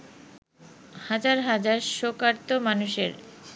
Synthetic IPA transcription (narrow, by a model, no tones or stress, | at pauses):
had͡ʑaɾɦad͡ʑaɾʃokaɾt̪omanuʃḛɾ